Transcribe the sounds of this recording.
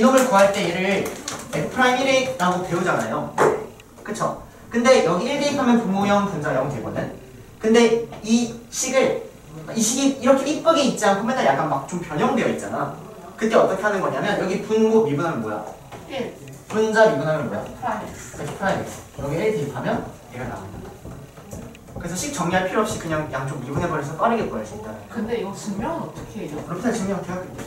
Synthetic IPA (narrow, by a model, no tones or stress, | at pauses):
inomɯɭkoɦaɭt͈e̞iɾɯɭɾespʰɾaimiɾiɾaɡote̞ud͡ʑana̰jo | kɯt͡ɕʰo̰ | kɯnde̞jʌɡieɭdiipʰamjʌnpumojʌnpund͡ʑajʌŋtweɡo̰nɯn | kɯnde̞iɕ͈ʰiɡɯɭ | iɕ͈ʰiɡiiɾʌkʰeip͈ʌɡiit̚t͡ɕ͈iankʰomjʌnajak͈anmak̚t͡ɕ͈ompjʌɲʌŋdwe̞jʌit̚t͡ɕ͈ana̰ | kɯt͈eʌt͈ʌkʰe̞ɦanɯnɡʌɲamjʌnjʌɡipunmomibunɦamjʌnmoja̰ | pund͡ʑamibunɦamjʌnmoja̰ak͈aipʰaɾaɡe̥jʌɡieteipʰamjʌnjeɡana̰aa | kɯɾesʰʌɕʰik̚t͡ɕʌŋɲiɦaɭpʰiɾoʌpɕ͈ikɯɲaŋjak͈ːant͡ɕ͈oŋmibunɦebʌɾʌsʰʌp͈aɾiɡepoʌs͈uit̚t͈ankɯndeiɡʌt͡ɕɯŋmjʌŋnʌt͈ʌkʰekɯɾʌpʰnat͡ɕʰɯŋmjʌŋatʰeak͈e